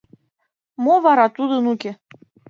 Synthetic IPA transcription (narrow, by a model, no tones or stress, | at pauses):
moβɑɾɑt̪ud̪ənukʲe